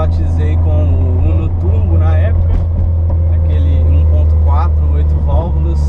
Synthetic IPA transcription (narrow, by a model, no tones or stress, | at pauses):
at͡ʃizejkõmʊ̃ | nʊt̪uɾmʊnɐɛpʊkɐ | ɐkelɪũpõnt̪ʊ̥kwat̪ɾuojt̪ʊvawvʊd̪ʊs